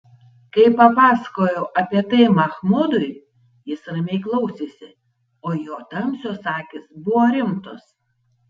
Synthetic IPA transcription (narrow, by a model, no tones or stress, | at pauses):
kɐɪpɐpɑːsɐ̥koːjɛʊʔɐpʲiɛt̪ɐɪmɐxmʊd̪ʊɪ | jɪsɾɐmʲɛɪklˠɐʊsʲesʲɪ | oːjoːt̪ɐmʲsʲoːsɑːkʲɪsbʊʋoːɾʲɪmt̪ʊs